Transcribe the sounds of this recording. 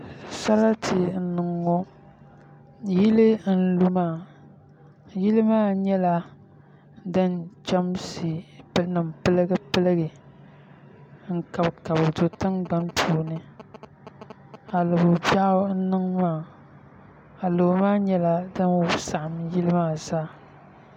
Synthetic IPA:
sa˦la˦tʰɨ˨n̩˨nɨ˨ŋːɔ˦ | ji˦lɨ˦n̩˦lu˦maː˦˨ | ji˦lɨ˦maː˦ɲɛ˦la˦ | dɨ˦nt͡ʃa˦msi˨˦nɨ˨mpɨ˦lɨ˦ɡɨ˦pɨ˦lɨ˦ɡɨ˨ | ŋ̩˨ka˨bka˨bɨ˨do˨tɨ˦ŋɡ͡ba˦npʰuː˦nɨ˦ | a˨lɨ˨bʊ˨ba˦n̩˦nɨ˦ŋmaː˦˨ | a˨lo˨˦maː˦ɲɛ˦la˦dɨ˦nwsa˨ʔa˨mji˦lɨ˦maː˦˨zaː˦

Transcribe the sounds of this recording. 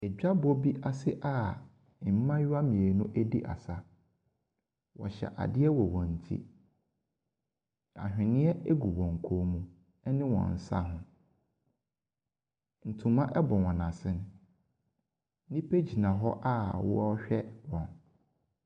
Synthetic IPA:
ɛ˨d͡ʑᶣa˦bɔ˦bi˦ʔa˨sɪ˦ʔa˦˨ | m̩˦mã˦jʊ˦a˦mĩ˨e˨nʊ̃˦ʔe˦di˦ʔa̰˨sa˦ | wɔ̰˨ɕɛ̰˨ʔa̰˨dɪ˦ɛ˦wɔ˨wɔ̃˨n̩˨tʰḭ˦ | a̰˨hᶣɪ̃˨nɪ̃˦ɛ˦ʔe˦ɡu˨wɔ̃˨ŋ̩˨kʰo˦mũ˦ | ɛ˦nɪ̃˦wɔ̰̃˨n̩˨sa̰˦ɦʊ̃˦ | n̩˨tʰũ˨mã˦ʔɛ˦bɔ̃˨wɔ̃˨nã˨sɪ̃˦ñ˦ | nĩ˦pʰe˦d͡ʑi˨nã˨ɦɔ˦ʔa˦˨wɔ̰˦ɔ˦ɕᶣɛ˦wɔ̃˨n

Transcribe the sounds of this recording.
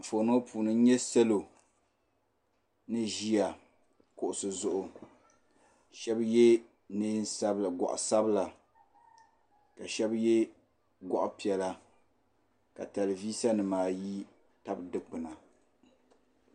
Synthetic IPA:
fo˨no˦puː˨nɨ˦ɲɛ˦sɛ˦lo˨ | nɨ˦ʒi˦a˨ | kʊ˨ʔʊ˨sɨ˨zʊ˨ʔʊ˨ | ʃɛ˦bje˦ | nɨ˦n˦sa˦bla˨ɡɔ̰˨ʔʊ̰˨sa˦bla˨ | ka˨ʃɛ˦bje˦ | ɡʷɔ˨ʔʊ̰˦pi˨ɛ˨la˨ | ka˨ta˨lɨ˨viː˦sa˦nɨ˨maː˨ji˦ | ta˦bdɨ˦k͡pɨ˨na˨

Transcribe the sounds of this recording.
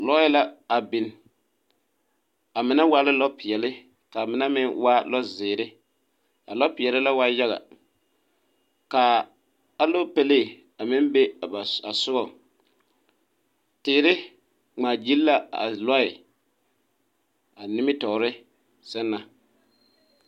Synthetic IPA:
lɔ˦ɪ˦la˦a˨bɪ˨n | a˨mɪ˨na˦wa˦lɪ˦lɔ˦pɪ˨ɛ˨lɪ˦ | ka˨mɪ˨na˦mɪ˦nwa˦lɔ˦zɪː˨ɾɪ˦ | a̰˨lɔ˦pɪ˨ɛ˨lɪ˦la˦wa˦ja˦ɣa̰˨ | ka˨ | a˦lo˦pe˦leː˦˨ | a˨mɪ˦nbe˦˨a˨a˨sʊ˦ɣɔ˨ | tɪː˨ɾɪ˦ | ŋ͡maː˨d͡ʒi˦lla˦a̰˨lɔ˦ɪ˨ | a˨nɪ˦mɪ˦tɔ˨ɾɪ˦ | sɛ˦nːa˨

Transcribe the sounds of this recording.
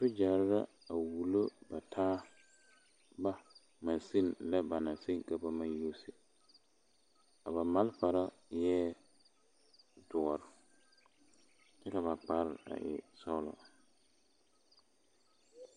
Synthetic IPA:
tʊ˦d͡ʒa˨ɾɪ˦ɾa̰˦ | a˨wu˨lo˦ba˨tʰaː˦ | ba˦ | mã˨nsi˦˨nla˦ba˨na˨si˦ŋka˦ba˦mã˦jo˦si˨ | a˨ba˨ma˦lfa˨ɾa˦ | jɛː˦ | dʊ˨ɔ˨ɾɪ˨ | t͡ʃɛ˦ka˨βa˨k͡pa˨ɾɪ˦ɾa̰˨ʔɪ̰˨sɔ˦lɔ̰˦

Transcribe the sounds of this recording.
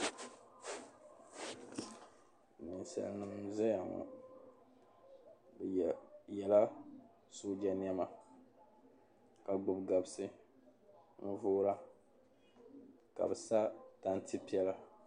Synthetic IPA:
nɨ˨n˨sa̰˨lnɨ˦mzɛ˦ja˨ŋɔ̰˨ | jɛ˨la˦ | soː˦d͡ʒa˨n˦ɛ˦ma˨ | ka˨ɡ͡bʊ˨bɡa˨bsɨ˦ | n̩˦voː˦ɾa˦ | ka̰˨bɛ˨sa˦ta˦n˦tɨ˦pi˦ɛ˦la˦

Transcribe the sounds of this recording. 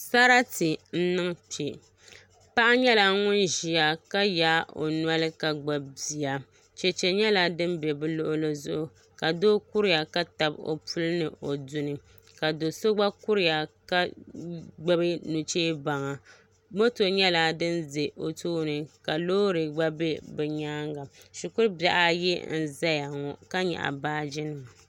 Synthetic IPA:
sa˦ɾa˦tɨ˨n̩˦nɨ˦ŋ˦pi˨e˨ | pa˦ʔa˦ɲɛ˦la˨ŋʊ˦nʒi˨a˨ka˦jaː˦o̰˨nwa˦lɨ˦ka˨ɡ͡ba˨bbi˨a˨ | t͡ʃɛ˨t͡ʃɛ˨ɲɛ˦la˦dɨ˦m˦bɛ˨bɨ˦lʊ˦ʔʊ˦lɨ˨zʊ˦ʔʊ˨ | ka˨doː˦ku˦ɾɪ˦a˨ka˦ta˨bo̰˨pu˦lɨ˦nɨ˨ʔo˨du˦nɨ˨ | ka˨do˨so˦ɡ͡ba˦ku˦ɾɪ˦ja˨ka˦ | ɡ͡ba˦bɨ˦nu˨t͡ʃeː˦ba˨ŋa˨ | mo˦to˨ɲɛ˦la˨dɨ˦nze˨ʔo˨tʰoː˦nɨ˨ka˨loː˦ɾɨ˨ɡ͡ba˦be˦bɛ˨ɲaː˦ŋɡa˨ʃu˨kʊ˦ɾba̰˨ʔa˦jɛ̰˦n̩˦za˦ja˨ŋɔ˨ka˦ɲɛ̰˨ʔa̰˨baː˦d͡ʒɪ˦nɨ˨m˨

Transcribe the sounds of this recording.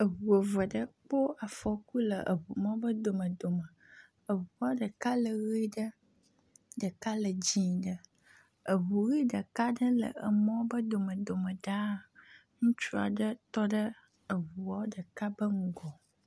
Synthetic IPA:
ə˨ɦu˨ə˨və˨ɖə˦k͡po˦a˨fɔ˨ku˦lə˨ʔə̰˨βu˨mɔ̃˦bə˦d̪o˨mə̃˨d̪o˨mə˨ | ə˨βu˨wa˦ɖə˨ka˦lə˨ɣi˦ɖə˦ | ɖə˨ka˦lə˨d͡ʑi˦ɖə˦ | ə˨ɦu˨ɣi˦ɖə˨ka˦ɖə˦lə̰˨ə̰˨mɔ̃˦bə˦d̪o˨mə̃˨d̪o˨mə̃˨ɖa˦ŋũ˦t͡ʃu˦a̰˨ɖə˦t̪ɔ˦ɖə˦ | ə˨βu˨wa˦ɖə˨ka˦bə˦ŋũ˦ɡɔ˨

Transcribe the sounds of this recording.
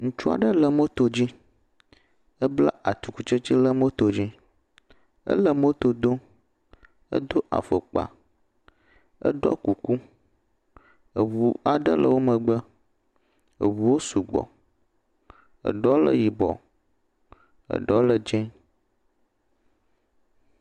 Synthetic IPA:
ŋũ˦t͡ʃu˦a̰˨ɖə˦lə˨mo˦t̪o˨d͡ʑi˦ | ə˦bla̰˦ʔa˨t̪u˨ku˦t͡ʃə˦t͡ɕi˦lə˦mo˦t̪o˨d͡ʑi˦ | ə̰˦lə˨mo˦t̪o˨d̪o˦ | ə̰˦d̪o˦ʔa̰˨fə˨k͡pa̰˨ | ə̰˦ɖɔ̰˦ku˨ku˦ | ə˨βu˨a˨ɖə̰˦lə̰˨wo˦mə˨ɡ͡bə˦ | ə̰˨βu˨wo˦su˨ɡ͡bɔ̰˨ | ə̰˨ɖɔ˦lə̰˦ji˨bɔ̰˨ | ə̰˨ɖɔ˦lə˨d͡ʒɛ̃˦

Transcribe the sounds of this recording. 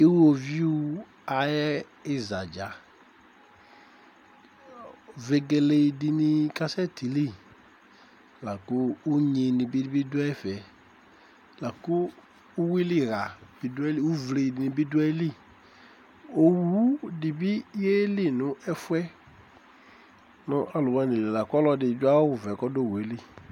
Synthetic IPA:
i˦wo˨vi˦u˦ | a˨jɛ˦ | ɪ˦za˨d͡ʒa˨ | ve˨ɡe˨le˨i˨di˨ni˨ka˦sɛ˦tʰi˨li˦˨ | la˨kʊː˦ɲe˨nĩ˨bi˦dbi˦dʊ˦ɛ˦fɛ˨ | la˨kʊː˦ | wi˦li˦˨ɣa˨b̥i˦dwɛ˦li˦u˦vle˨i˨dɪ˨nɪ̃˨bi˦dwɛ˦li˦˨ | o˨wu˦dɪ˨bi˦je˦li˦nʊ˨ɛ˦fwɛ˦ | nʊ̃˨˦ʔa˨lʊ˨wa˦˨ni˨le˨la˨kɔ˦lɔ˦dɪ˨d͡ʒʊ˦a˦ʊ˨vɛ˨kɔ˦do˦˨we˨˦li˦˨

